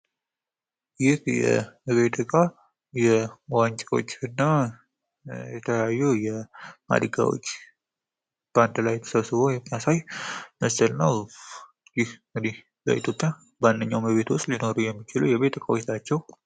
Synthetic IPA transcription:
jɪhjɛ̰βet̪ʰɨkʼa | jɛwaɲt͡ʃʼeo̞̰t͡ʃːɨnːa | jɛt̪ʰəajːujɛma̰d̪ɡa̰wo̰t͡ʃː | b̥and̪lajt̪ʰə̥səβsɨβo̞jɛmːijasajməsəlnəw | jɪhŋɡɨd̪ih | bə̰ḭt̪ʰjo̞pʼːja | banːəɲːawməβe̞t̪wʊst̪ʼlino̞ɾujɛmːit͡ʃɪlujɛβe̞t̪ɨkʼawot͡ʃt̪ʰat͡ʃːɛw

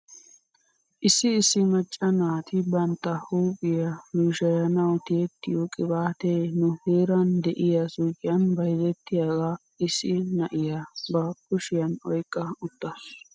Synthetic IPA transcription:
ʔɪsːɪːsːɪmɐt͡ʃʼːɐnaːt̪ʰɪbɐnt̪ːɐhuːpʼɪjɐnuːʃɐjɐnɐwt̪eːt̪ːɪjokʼɪbaːt̪enʊheːɾɐnd̪ɛʔɪjɐsʊkʼɪjɐnbɐjzɛt̪ːɪjaːɡa | ɪsːɪnɐʔɪjɐbɐkʊʃɪjɐnɔjkʼːɐʊt̪ːɐs

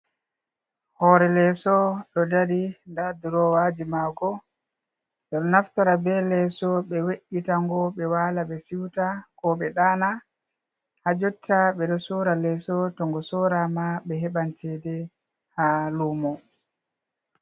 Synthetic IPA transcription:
hɔɾɛlɛsɔɗɔdadindaduɾɔwaːd͡ʒimaɡɔ | ɓɛɗɔnaftaɾabɛlɛsɔɓɛweʔːitaŋɡɔɓɛwaːlaɓɛsiwtakɔɓɛɗana | had͡ʒɔtːaɓɛɗɔsɔɾalɛsɔtɔŋɡɔsɔɾamaɓɛɦɛɓantɛdɛ | halumɔ

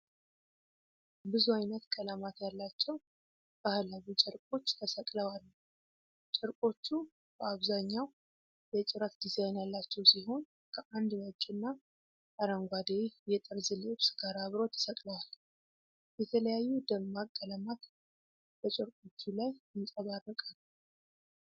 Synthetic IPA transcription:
bɨzuajnət̪kʼəlamat̪jalːat͡ʃːɛw | b̥əhalaβit͡ʃʼɛɾkʼo̞t͡ʃːt̪ʰəsəkʼləwalː | t͡ʃʼɪɾkʼo̞t͡ʃːu | b̥əaβzaɲːaw | jɛt͡ʃʼɪɾət̪d̪izajnjalːat͡ʃːɛwsiho̞n | kʰəʔand̪mət͡ʃʼːunːa | aɾəŋɡʷad̪ejɛt̪ʼɨɾzɨliɨβsɨɡaɾaβɾo̞t̪ʰə̥səkʼləwal | jɛt̪ʰələjajːud̪əmːakkʼːəlamat̪ | b̥ət͡ʃʼɪɾkʼo̞t͡ʃːulajɪnsʼəβarːəkʼal

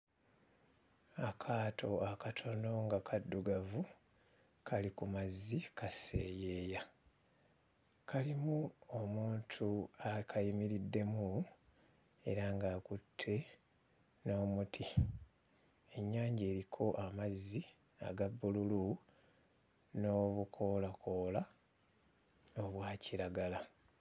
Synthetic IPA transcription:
akʰaːtʰo̞akatʰo̞no̞ŋɡakʰadːuɡavu | kʰalikumazːikase̞̰ːje̞ːja | kʰalimuomuːntʰuakʰajimiɾidːe̞mu | e̞̰ɾaŋɡaːkutʰːe̞ | no̞ːmutʰi | e̞ɲːaːɲɟeːɾikʰo̞ʔamazːi | a̰ɡabːululu | no̞βukʰo̞ːlakʰo̞ːla | oβwaːciɾaɡala

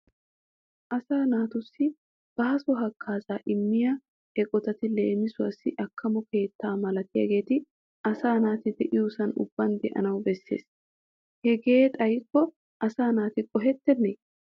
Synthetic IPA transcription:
ʔɐsaːnaːt̪ʊsːɪ | b̥ɐhɐsɔɦɐkʰːaːzaːʔɪmːɪja | ɛkʼɔt̪ɐt̪ɪle̞̰ːmɪsʊwɐsːɪʔɐkːɐmɔke̞ːt̪ːaːmɐlɐt̪ɪjɐ̰ɡe̞ːt̪ɪ | ʔɐsaːnaːt̪ɪd̪ɛʔɪjusɐnʊ̰bːɐnd̪ɛ̰ʔɐ̰nɐwbɛsːḛːs | hɛɡe̞ːt̪ʼɐjɪkːɔ | ʔɐsaːnaːt̪ɪkʼɔɦɛt̪ːɛnːɛj

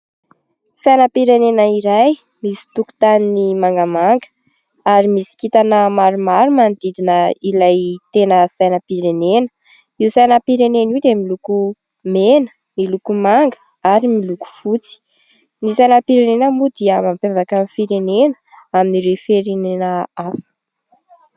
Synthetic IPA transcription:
sajnəpiɾenenəiɾaj | misi̥t̪uku̥t̪aninimaŋɡəmaŋɡə̥ | aɾimisi̥kit̪anəmaɾumaɾumand̪id̪inəilajt̪enəsajnəpiɾenenə̥ | iwsajnəpiɾenenid̪emiluku | menə̥ | milukumaŋɡə | aɾimiluku̥fut͡si̥ | nisajnəpiɾenenəmud̪iəmamfevakanfiɾenenə̥ | aminiɾefeɾenenəafə̥

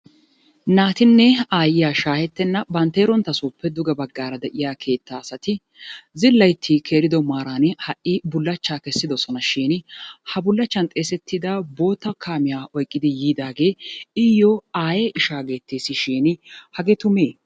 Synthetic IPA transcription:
naːt̪ɪnːɛaːjɪjaːʃaːhɛt̪ːɛnːɐbɐnt̪eːɾɔnt̪ːɐsuːpːɛd̪ʊɡɐbɐɡːaːɾɐd̪ɛʔɪjaːkʰe̞ːt̪ːaːsɐt̪ɪ | zɪlːɐjt̪ʰːiːkʰe̞ːɾɪd̪ɔmaːɾaːnhɐʔʔːɪbʊlːɐt͡ʃːaːkɛsːɪd̪ɔsɔnɐʃiːnhɐbʊlːɐt͡ʃːɐnt̪ʼe̞ːsɛt̪ːɪd̪ɐbo̞ːt̪ːɐkʰaːmɪjaːʔɔjkʼːɪd̪ɪjiːd̪aːɡe̞ːɪjːɔaːjɛʔɪʃaːɡe̞ːt̪ːeːsːɪʃiːnhɐɡɛt̪ʊmeː

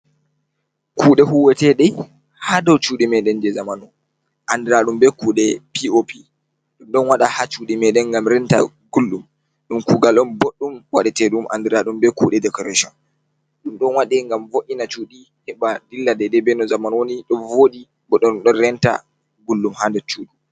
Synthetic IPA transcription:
kʰuːɗɛɦuwɛtɛɗɛ | hadɔwt͡ʃuɗimɛɗɛnd͡ʒɛzamanɔ | ʔandiɾaɗumbɛkuːɗɛpiopʰi | ɗumɗɔnwaɗahat͡ʃuːɗimɛɗɛnɡamɾɛnta̰ | ɡulːum | ɗumkuːɡalɗɔnboɗːumwaɗɛtɛɗumʔa̰ndiɾaɗumbɛkuːɗɛdɛkɔɾaʃɔn | ɗumɗɔnwaɗɛŋɡamvoʔinat͡ʃuːɗi | hɛɓadilːadɛdɛbɛnɔzamanwoniɗɔnvoɗi | bɔɗːunɗɔnɾɛnta̰ | ɡulːumhandɔt͡ʃuːɗu

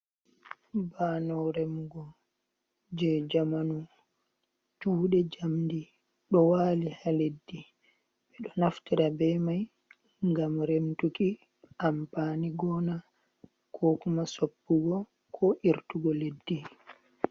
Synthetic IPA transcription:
baːnɔɾɛmɡɔ | d͡ʒɛd͡ʒamanu | d͡ʒuːɗɛd͡ʒamdi | ɗɔwaːlihaledːi | ɓɛɗɔnaftiɾabɛmaj | ŋɡamɾemtuki | ʔampaːniɡɔna | kʰɔkumasopːuɡɔ | kʰɔʔiɾtuɡɔledːi

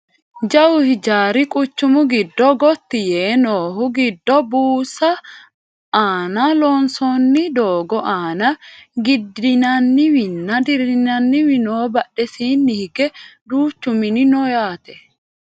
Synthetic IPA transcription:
d͡ʒɐwʊhɪd͡ʒaːɾɪkʼʊt͡ʃːʊmʊɡɪd̪ːɔɡɔt̪ːɪjeːnoːɦʊɡɪd̪ːɔbuːsɐ | aːnɐlɔnsɔnːɪd̪oːɡɔʔaːnɐɡɪd̪ɪnɐnːɪwɪnːɐd̪ɪɾɪnɐnːɪwɪnoːbɐɗːɛsiːnːɪhɪɡɛd̪uːt͡ʃːʊmɪnɪnɔjaːt̪ɛ̥

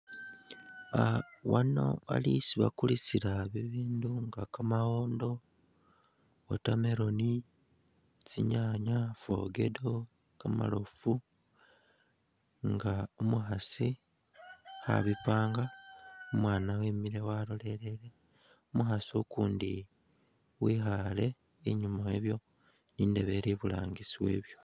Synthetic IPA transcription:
awano̞̰a̰lisiβa̰kulisiɾaβiβiːnduŋɡakamaɣo̞ːndo̞ | otame̞ɾo̞ni | t͡siɲaɲafo̰ɡe̞̰do̞ | kama̰lofu | ŋɡaomuxasi | xa̰βipaːŋɡaomwaːnawiːmiɾewalo̞le̞le̞le̞ | omuxasiukuːndi | wixale̞ | iɲumaeβjo̞ | niːndeβe̞ɾiβula̰ːŋɡisiwe̞̰ːβjo̞

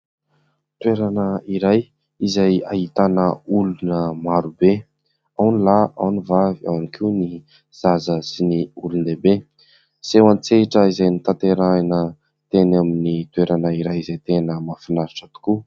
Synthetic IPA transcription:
t̪weɾanəiɾaj | izajaɦit̪anəulunəmaɾube | awnilaawnivaviawnikʰiwni | z̥azəsiniulund̪ebe | sewant͡seiʈ͡ʂəizajnit̪ant̪eɾanə | t̪enaminit̪weɾanəiɾajizajt̪enəmafinaɾiʈ͡ʂət̪u̥ku

